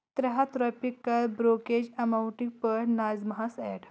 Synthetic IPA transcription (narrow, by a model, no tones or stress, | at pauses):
t̪ɾəɦat̪ɾɔpikːəlbɾoked͡ʑəmawɳʈiɡpəɾnad͡zmɐɦasɛɽ